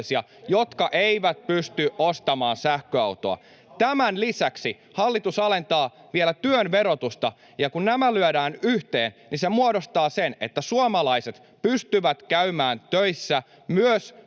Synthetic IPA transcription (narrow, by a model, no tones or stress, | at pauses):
siɑ | jot̪kɑʔeiʋæt̪̚pyst̪yʔost̪ɑmɑːnsæhkøɑ̰wt̪oɑ̰ | t̪æmænlisæksi | hɑlːit̪usɑle̞nt̪ɑː | ʋielæt̪yønʋe̞ɾo̞t̪ust̪ɑ | jɑkunnæmælyødæːnyht̪eːnnisemuodost̪ɑːsene̞̰t̪ːæsuɑmɑlɑiset̪ | pyst̪yʋæt̪kæymæːnt̪øisːæ | myøs